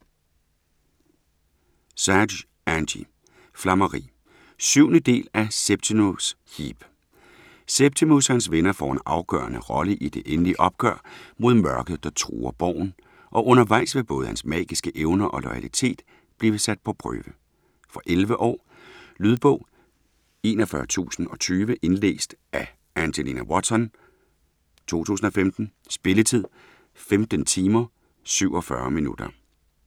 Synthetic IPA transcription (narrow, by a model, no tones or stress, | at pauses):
sæɐ | ænd̥ḭ | flɑmɐʁḭː | syʊ̰nəd̥e̝̰ːlæseb̥̚t͡sʰimus | hḭb̥ | seb̥̚t͡sʰimushænsʋenɐfɒ̰ːenɑ̈ʊɡ̥ɶ̰ːɐnəʁɒ̽ləʔid̥e̝ʔenəliʔɒ̽b̥̚ɡ̥ɶɐ̰mo̝ð̞ˠmɶɐɡ̥əð̞ˠd̥ɑ̈t͡sʰʁṵːɐb̥ɒ̰ʊ̰n̩ | ʔɒ̽ʔɔ̽nɐʋɑ̈ɪ̰sʋeb̥ɔ̽ːð̞̩ˠhænsmɛ̰ːɡ̥isɡ̥əʔeʊnɐʔɒ̽lɒɪælit͡sʰe̝̰ːd̥ | b̥liːʋəsæd̥̚pʰɒ̽pʰʁœ̰ːʋə | fɒ̽ʔelʋəʔɒ̰ː | lyð̞ˠb̥ɔ̽ʊ̰ | e̝ːnɒfɶɐt͡sʰṵːsn̩ɒ̽t͡sʰyːʋəʔe̝nlḛːsd̥ʔæ | ænd͡ʑ̥elinæwɒd̥sɒ̽n | t͡sʰo̝̰ːt͡sʰṵːsn̩ɒ̽femd̥n̩ | sb̥e̝lət͡sʰið̞̰ˠ | femd̥ən̩t͡sʰiːmɐ | syʊ̰ɒ̽fɶ̰ɐminud̥ɐ